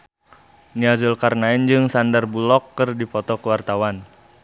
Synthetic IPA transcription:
niazəlkarnaɪnd͡ʒɨŋsandarbulɔkːɨrdipɔt̪ɔkəwart̪awan

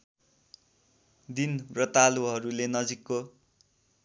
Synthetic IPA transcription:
d̪inrʌt̪aluɦʌɾulenʌd͡zikːo

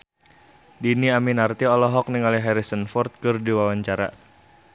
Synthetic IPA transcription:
diniaminart̪iɔlɔɦɔk̚niŋaliɦɛɾisənfɔrt̪̚kɨrdiwawaɲt͡ʃaɾa̰

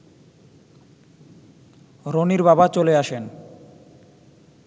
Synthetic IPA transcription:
ɾoniɾbabat͡ɕoleaʃen

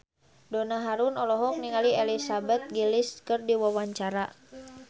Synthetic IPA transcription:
dɔnaɦaɾunɔlɔɦɔk̚niŋaliɛlisabɛt̪̚ɡiliskɨrdiwawaɲt͡ʃaɾa

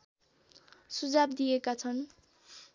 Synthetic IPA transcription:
sud͡zabd̪ijekat͡sʰʌn

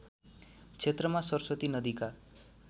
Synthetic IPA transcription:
kt͡ʃʰet̪ɾɔmasɔɾsɔt̪inʌd̪ikaɾ

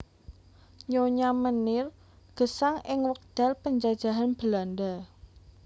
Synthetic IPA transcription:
ɲoɲamənɪr | ɡ̥ə̤saŋɪŋwək̚d̪̥a̤lpəɲd͡ʒad̥ʒ̥a̤ɦanb̥əlanda

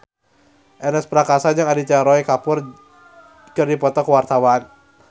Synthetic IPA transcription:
ʔɛnɛspɾakasand͡ʒɨŋadit͡ʃaɾɔikapʊr | kɨrdipɔt̪ɔkəwart̪awan

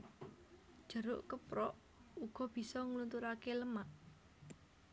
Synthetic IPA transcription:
d̥ʒ̥ə̤ɾʊ̰ʔkəpɾɔʔ | uɡ̥ɔ̤b̥i̤sɔŋlunt̪uɾakeləmaʔ

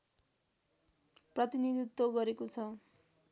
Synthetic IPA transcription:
prʌt̪inid̪ʱit̪ːwoɡʌɾekot͡sʰʌ

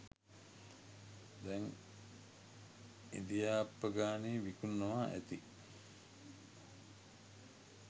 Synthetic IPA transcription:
d̪ɛŋ | ind̪ijaːpːəɡaːneːʋikunːoʋaːʔæt̪i

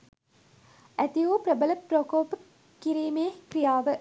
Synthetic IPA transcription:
æt̪ijoːpɾəbələprokoːpə | kːiɾiːmeːkrijaːʋə

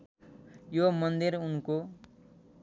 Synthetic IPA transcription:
jomʌnd̪irunko

